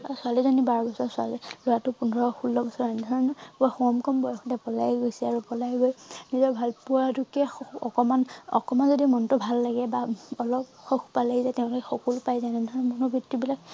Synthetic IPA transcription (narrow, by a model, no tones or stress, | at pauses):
asualizɔnibaɹɔbɔsɔɹsualilojatʊpunɔɹɔxulːɔbɔsɔɹanɛdʱɔɹɔnpuaxɔɔmkɔmbɔjɔxdɛpɔlajɡojsɛaɹupɔlajɡojnizɔɹbʱalpuatukɛɔ̰kɔmanɔ̰kɔmanzodimɔntʊbʱalːaɡɛbaɔlɔpxɔxʰpalazatɛʊ̃lkɛxɔkɔlpajzanɛdʱɔɹnmɔnubʱɹitːibilak